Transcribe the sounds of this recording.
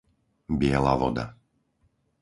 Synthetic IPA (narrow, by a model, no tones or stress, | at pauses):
bɪɛla̰ːʋɔd̪a̰